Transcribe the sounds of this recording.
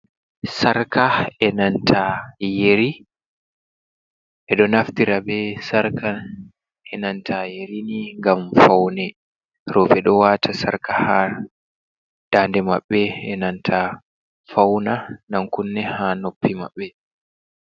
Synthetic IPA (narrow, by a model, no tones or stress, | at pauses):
saɾkaɛnantʰajeɾi | ʔɛɗɔnaftiɾabɛsaɾkan | ʔɛnantʰajeɾiniŋɡamfawnɛ | ɾɔbɛɗɔwatʰasaɾkaha | d̥aːndɛma̰ɓːɛɛnantʰa | fawnanamkunːɛhanopʰːima̰ɓːɛ